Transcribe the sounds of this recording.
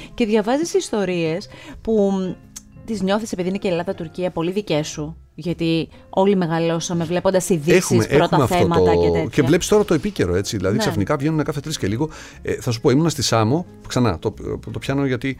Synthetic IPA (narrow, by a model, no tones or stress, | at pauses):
ce̞ðʝɐvɐzisist̪o̞ɾie̞spu | t̪izɲo̞θise̞piðinecelɐðɐt̪uɾciɐpo̞liðice̞su | ʝɐt̪i | o̞lime̞ɣɐlo̞sɐme̞vle̞po̞nd̪ɐsiðexuimesʔeɾoxuɐmeɐfθteomɐot̪t̪ecevle̞pist̪o̞ɾɐt̪o̞epice̞ɾo̞e̞t͡siðilɐðiksɐfnikɐvʝenumekɐθe̞t̪ɾisceliɣo̞ | eθɐs̬upo̞imunɐst̪isɐmo̞ | ksɐnɐ̰t̪ot̪o̞pçɐnoʝɐt̪i